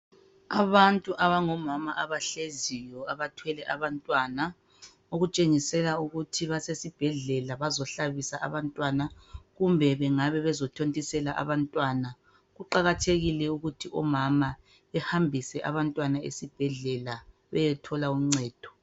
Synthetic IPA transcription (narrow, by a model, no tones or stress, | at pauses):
aβantʼuʔaβaŋɔmamaʔaβaɬezijɔaβatʰwɛlɛʔaβantʼwana | oɣut͡ʃʼeŋisɛlauɣutʰiβasesib̥ʱɛɮɛlaβazɔɬaβisaʔa̰βantʼwanaɣumbʱɛβɛŋaβɛβɛzɔtʰontʼisɛlaʔa̰βantʼwana | ɣuǃaɣatʰeɣilɛuɣutʰiʔɔmama | ɛhambʱisɛʔa̰βantʼwanaḛsib̥ʱɛɮɛla | βɛ̰jɛtʰɔlauŋ͡ǀɛːd̥ʱɔ̥